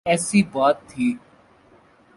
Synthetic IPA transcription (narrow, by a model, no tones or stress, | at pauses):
ɛːsiːbaːt̪ʰːiː